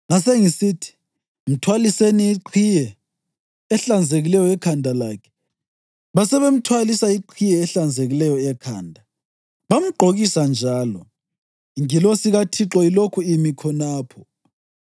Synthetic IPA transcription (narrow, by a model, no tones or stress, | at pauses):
ŋaseŋisitʰi̥ | m̩tʰwaliseniiǃʰijɛː | ɬand͡zʱeɣilɛjɔɛkʰandʱalaːkʰɛ̥ | βasɛβem̩tʰwalisaiǃʰijɛːɬand͡zʱeɣilɛjɔɛkʰa̰ːndʱa | βam̩ɡ͡ǃʱoɣisand͡ʒʱaːlɔ | iŋilosiɣatʰiǁɔilokʰuimikʰɔnaːpʰɔ